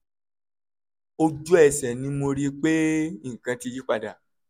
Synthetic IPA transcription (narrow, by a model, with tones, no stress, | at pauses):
o˧d͡ʒu˦ɛ˨sɛ˨nĩ˨˦mo˧ɾi˦k͡pe˦ĩ˦˨kã˧ti˧ji˦k͡pa˧da˨